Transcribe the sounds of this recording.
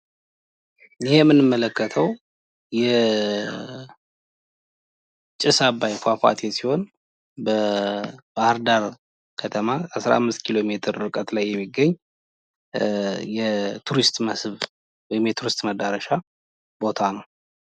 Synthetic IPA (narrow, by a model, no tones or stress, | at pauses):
jɪhemːɨnɨmːələkːət̪ʰəw | jɛ | t͡ʃʼɪsabajfafa̰t̪ʰesiho̞n | bə | bahaɾd̪aɾ | kʰət̪ʰəmaasɾa̰amːɨst̪kʰilo̞me̞t̪ʰɨɾɨkʼət̪lajːɛmːiɡːəɲː | jɛt̪ʰuɾist̪ʼməsβ | wɔjɪmjɛt̪ʰuɾist̪məd̪aɾəʃa | bo̞t̪ʰanəw